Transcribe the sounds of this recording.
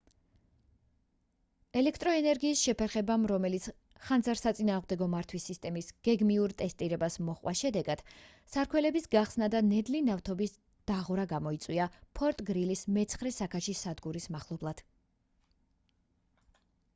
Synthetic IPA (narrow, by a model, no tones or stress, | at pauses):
ɛlɛkʰt̪ʼɾɔɛnɛɾɡiːsʃɛpʰɛɾχɛbamɾɔmɛlit̪sʰ | χanzaɾsat̪sʼinaːʁmd̪ɛɡɔmaɾt̪ʰwisːist̪ʼɛmisɡ̥ɛɡmiuɾt̪ʼɛst̪ʼiɾɛbasmɔχwa̰ʃɛd̪ɛɡad̪̥ | saɾkʰwɛlɛbisɡaχsnad̪anɛd̪linaft̪ʰɔbis | d̪̥aʁɾaɡamɔit̪sʼwiapʰɔɾt̪ʼɡɾilismɛt̪sʰχɾɛsakʰaʃisad̪ɡuɾismaχlˠɔblˠad̪̥